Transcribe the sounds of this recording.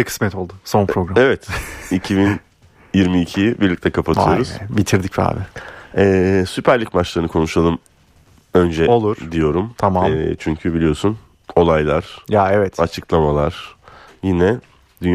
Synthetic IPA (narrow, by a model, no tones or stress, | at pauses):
kʰɯ̥smɛt̪ʰo̞lˠd̪ʊsonpɾoɡɾamevɛt̪icʰibin | jiɾmiːcʰijibiɾlʲic̚t̪ʰɛkʰapʰat̪ʰɯjo̞ɾuz̥bit̪ʰiɾd̪icfa̰ːbɪɛːsypʰæɾlʲicmat͡ʃlˠaɾɯnɯkʰo̞nuʃalˠɯm | ø̞nd͡ʒɛolˠuɾd̪ijo̞ɾumt̪ʰamaɛt͡ʃʰyɲcʰybilijo̞sun | o̞lˠajlˠaɾ̥jaɛvɛt̪at͡ʃʰɯklˠamalˠaɾ̥jinɛ | d̪ynj